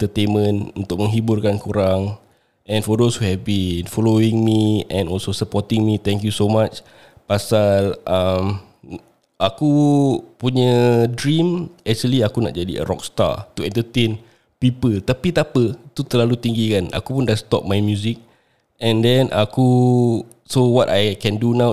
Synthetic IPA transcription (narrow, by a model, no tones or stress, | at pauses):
ɛt̪ət̪enmə̃nṵnt̪ʊk̚mə̃ŋɦiburkankuɾaŋ | ɛ̃nfɔdoshuhɛvbinfɔloĩŋmiʔɛ̃nɔlsosəpɔt̪ɪ̃ŋmit̪ɛ̃ŋkjusomat͡ʃ | pasalʔam | ʔakupuɲədɹĩmɛk̚t͡ʃuəliakuna̰ʔ̚d͡ʒadḭə̰ɾɔ̰k̚st̪a̰t̪uɛ̃nt̪ət̪ẽn | pipəlt̪apit̪apət̪ut̪əlalut̪iŋɡikana̰kupundast̪ɔ̰p̚majmjuzik̚ | ɛ̃ndɛ̃nʔa̰ku | sowɔtajkɛ̃ndunãw